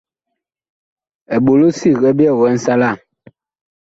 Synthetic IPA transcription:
ɛ˨ɓo˨lo˦si˦˨ɣɛ˦bi˦ɛ˦˨wɛ˨˦n̩˦sa˦la˦˨

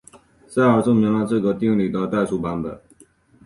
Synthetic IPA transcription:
sa˥˩ɪə˞˨˩t͡so˥˩ʊmji˧˥ŋla˥˧ʈ͡ʂɤ˥˩ɡə˨˩t̪i˥˩ŋli˨˩t̪ə˧t̪a˥˩ɪʂu˧˥pa˧˥nbə˨˩˦n

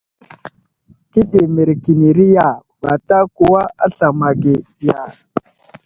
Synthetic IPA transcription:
ki˦de˨mi˨ɾki˨ni˨ɾi˦ja˨ba˨ta˦ku˨wa˦a˦ɬa˨ma˨ɡe˨ | ja˨

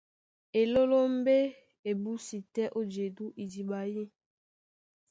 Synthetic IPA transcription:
e˨lo˦lo˦m˦be˦ | e˨bu˦si˨tɛ˦ʔo˦d͡ʒe˨du˦ʔi˨di˨ɓa˨ji˦

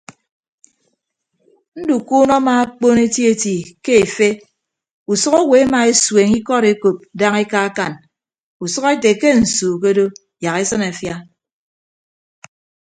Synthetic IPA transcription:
n̩˦du˨kuː˦nɔ˦ma˨a˦k͡po˦ne˦tji˦e˦˨ti˨ke˦e˨fe˦ | u˨sʊ˦ɣo˦we˨˦a˦ma˨e˦swe˨ŋi˦kɔ˦ɾe˨ko˨p̚da˦ŋe˦ka˦a˦ka˨n | u˨sʌ˦ɣe˦te˨ke˦n̩˨suː˨k̬e˦do˦ | ja˨ɣe˦sɨ˦na˨fja˦

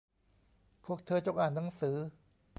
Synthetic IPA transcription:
pʰu˥˩ək̚t̪ʰɤː˧˩t͡ɕo˨k̚ʔaː˨˩nːa˩˦ŋsɯː˩˦

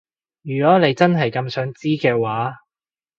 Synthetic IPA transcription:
jyː˨˩kɔː˨˥ne˨˧jt͡sɐ˥nɦɐ˨jkɐ˧msœː˨˥ŋt͡siː˥kɛː˧waː˨˥

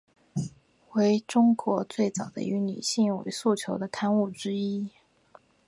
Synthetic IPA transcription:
we˧˥ɪʈ͡ʂʊ˥ŋkwɔ˧˥t͡swe˥˩ɪt͡sɑ˨˩ʊd̪ə̰˦y˧˥ny̰˨˩ɕi˥˩ŋwḛ˧˥ɪsu˥˩t͡ɕʰjo˧˥ʊd̪ə˧kʰa˥˧nu˥˩ʈ͡ʂɻ̩˥i˥

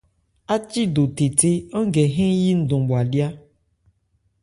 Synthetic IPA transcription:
a˦t͡ʃi˦ɖo˨t̪e˨t̪e˦ɔ˦ɡe˨ɦẽ˦ji˦n̩˦d̪õ˨bo˨a˨ɖi˦a˦

